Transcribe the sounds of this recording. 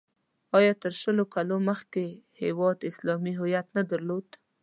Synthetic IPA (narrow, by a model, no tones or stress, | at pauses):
ɑjɑt̪əɾʃəlokaloməxkehewɑd̪ɪslɑmiɦʊjat̪nad̪aɾlod̪̥